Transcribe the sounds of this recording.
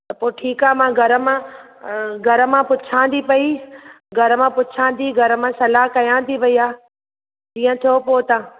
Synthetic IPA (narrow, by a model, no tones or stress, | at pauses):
t̪ɐpoːʈʰiːkaːmãːɡʱɐɾəmã | ɡʱɐɾəmãpʊt͡ʃʰãːnd̪ipɐi | ɡʱɐɾəmãpʊt͡ʃʰãːnd̪iɡʱɐɾəmãsɐlaːɦkɐjãːnt̪iʋɐiːaː | d͡ʑĩːə̃t̪ʰijoːpoːt̪ã